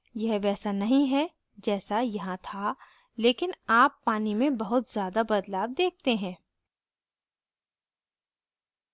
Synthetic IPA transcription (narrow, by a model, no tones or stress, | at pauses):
jɐɦʋɛːsanɐɦĩɦɛ | d͡ʒɛːsajɐɦãt̪ʰa | leːkɪnaːpːaːnimẽbɐɦʊt̪zjaːd̪abɐd̪laːbd̪eːk̚ʰt̪eɦɛ̃ː